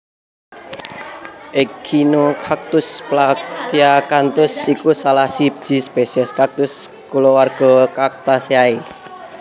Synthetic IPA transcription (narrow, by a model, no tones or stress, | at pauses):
ʔeɡ̥inokʰak̚t̪ʊsplakt͡ʃiakant̪ʊsikusalahsip̚d͡ʒ̥i̤spesiɛskak̚t̪ʊs | kulowarɡ̥ɔ̤kak̚t̪asjae